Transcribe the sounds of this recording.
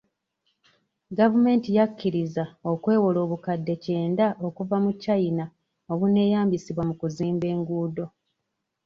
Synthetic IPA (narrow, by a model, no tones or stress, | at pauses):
ɡavume̞ːntijakːiɾizao̞kwe̞ːwo̞lo̞ːβukadːe̞ce̞ːndaʔo̞kuvamucajina | o̞βune̞ːjaːmbisiβwamukuziːmbe̞ːŋɡuːdo̞